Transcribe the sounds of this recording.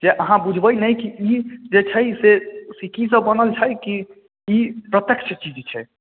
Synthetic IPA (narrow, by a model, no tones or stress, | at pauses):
d͡ʒeʔəɦãbud͡ʒʱbəjnəjkiid͡ʒet͡ʃʰɛsesikis̬əbːənəlt͡ʃʰəjkiː | pɾət̪jəkʃət͡ʃid͡ʒt͡ʃʰɛ̰